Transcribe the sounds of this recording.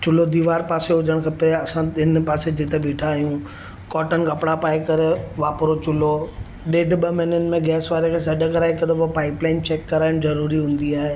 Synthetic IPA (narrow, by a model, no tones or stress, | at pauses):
t͡ɕʊlod̪iːʋaːɾpaːseɦʊd͡ʑəɽ̃kʰɐpeɐsãɪnpaːsed͡ʑɪt̪eɓiːʈʰaːɦijũ | kɔːʈənkɐpɽapaːekɐɾeʋaːpɾot͡ɕʊlo | ɗeːɖɓɐmɪnənɪ̆mẽɡɛːsʋaːɾekʰeːsɐɖʱəkɐɾaːɪkɐd̪obopaːɪplaːɪnt͡ɕeːkːɐɾaːɪn̆zɐɾuːɾiɦũːn̆d̪iaːɦeː